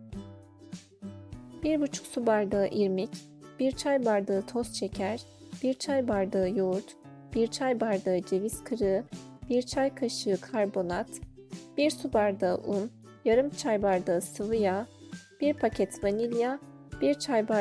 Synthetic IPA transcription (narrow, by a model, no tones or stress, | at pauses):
b̥iɾbut͡ʃʰu̥ksubaɾd̪aːʔiɾmic | b̥iɾt͡ʃʰajbaɾd̪ɯːt̪ʰost͡ʃʰecʰæɾ | b̥iɾt͡ʃʰajbaɾd̪ɯɯjuɾt̪ | b̥iɾt͡ʃʰajbaɾd̪ɯːɯd͡ʒeviskʰɯɾɯb̥iɾt͡ʃʰajkʰaʃɯːkʰaɾbo̞nat̪b̥iɾsubaɾd̪ɯɯʔun | jaɾɯmt͡ʃʰajbaɾd̪ɯːsɯvɯjab̥iɾpʰacʰɛt̪vanilʲja | b̥iɾt͡ʃʰajba